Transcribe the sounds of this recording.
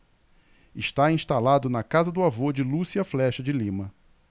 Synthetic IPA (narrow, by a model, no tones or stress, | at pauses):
ɪʃt̪aĩʃt̪alad̪ʊnɐkazɐd̪ʊavod͡ʒɪlusiɐflɛʃɐd͡ʒɪlĩmɐ